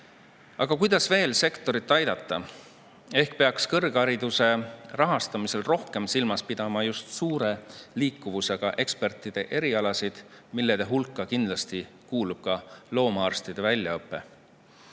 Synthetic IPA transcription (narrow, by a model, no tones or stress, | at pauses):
ɑ̰ɡ̥ɑkujd̪ɑsve̞ːlse̞kt̪o̞ɾit̪ːˑɑjd̪̥ɑt̪ˑːɑ | e̞hkpeɑkskɤrɡ̥ɑɾid̪̥use̞rɑɦɑst̪ɑmise̞lro̞hke̞msilmɑspid̪̥ɑmɑjust̪suːɾe̞liːkːˑuvuse̞ɡ̥ɑʔe̞kspe̞rt̪ːˑid̪̥e̞ʔe̞ɾiɑlɑsid̪̥ | milːed̪̥eɦulkːˑɑkind̪̥lɑst̪i | kuːlub̥̚kɑlo̞ːmɑɑrst̪id̪̥e̞vælʲːjɑɤpːˑe̞